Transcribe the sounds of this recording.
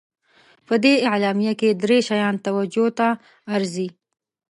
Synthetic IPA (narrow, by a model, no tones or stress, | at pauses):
pəd̪eɪʕlɑmijaked̪ɾeʃajɑnt̪awad͡ʒot̪aː | ɾzi